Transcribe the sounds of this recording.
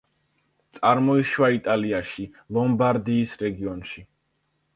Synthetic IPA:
t̪sʼaɾmɔiʃwait̪ʼaliaʃi | lɔmbaɾd̪iːsɾɛɡiɔnʃi

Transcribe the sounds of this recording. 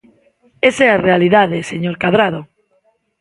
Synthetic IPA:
esɛarealiðaðeseɲoɾkaðɾað̞o

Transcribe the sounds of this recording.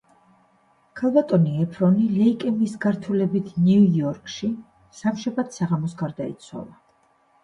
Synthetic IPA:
kʰalˠbat̪ʼɔniɛpʰɾɔnilɛikʼɛmisɡaɾt̪ʰulɛbit̪ʰniujɔɾkʼʃi | samʃɛbat̪saʁamɔsɡaɾd̪aḭt̪sʰwa̰lˠa

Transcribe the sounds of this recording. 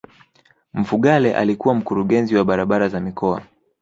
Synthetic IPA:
m̩fuɠalɛʔa̰likuwam̩kuɾuɠɛnziwaɓaɾaɓaɾazamikɔa̰

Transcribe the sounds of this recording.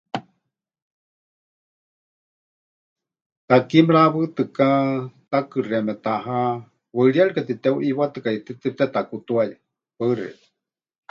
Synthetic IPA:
t̪akimɺaβɨt̪ɨkat̪akɨramɛt̪aɦa | wəɺiaɺikat̪it̪ɛuʔiwat̪ɨkait̪it̪ɨt̪ɛt̪akut̪uaja | pəɨrɛ̰

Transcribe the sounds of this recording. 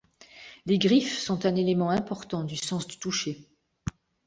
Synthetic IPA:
leɡʁifsɔ̃t̪ɛ̃nelemɑ̃ɛ̃pɔʁt̪ɑ̃d̪ysɑ̃sd̪ət̪uʃe

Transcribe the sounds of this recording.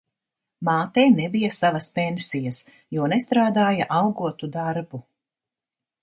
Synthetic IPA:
maːt̪ɛjnebijɐsavɐspensijɐs | juɔnɛst̪ɾaːd̪aːjaʔawɡuɔt̪ud̪aɾbu

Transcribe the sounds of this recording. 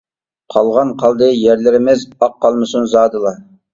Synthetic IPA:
qʰɑlˠʁɑnqʰɑlˠd̪əjæɾlɪɾɪmɪzɑqʰːɑlˠmɨsunzɑːd̪ɨlˠɑ

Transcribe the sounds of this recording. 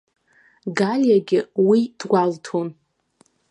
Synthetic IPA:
ɡalʲjaɡʲɪwid̥ɡʷaltʰon

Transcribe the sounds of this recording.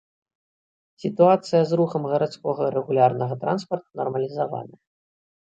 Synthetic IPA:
sʲit̪uat̪sɨjɐzɾuxɐmɣɐɾat̪skɔɣɐɾɛɣulʲarnɐɣɐt̪ɾa̰nspɐrt̪unɐrmɐlʲizava̰nɐ

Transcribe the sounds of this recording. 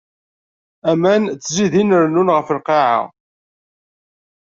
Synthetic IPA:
æmænt͡sːziðinəɾnunʁəfəlqɑʕa̰

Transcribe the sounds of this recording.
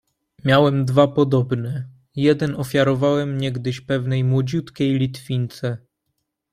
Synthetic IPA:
mʲjawɛmd̪vapɔd̪ɔbnɛ | jɛd̪ɛnɔfʲjaɾɔvawɛmɲɛɡd̪ɘɕpɛvnɛjmwɔd͡ʑut̪kʲejlʲit̪fʲint̪sɛ

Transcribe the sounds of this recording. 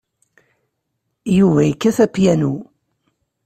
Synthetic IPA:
juvæjəkːæθæpjænu

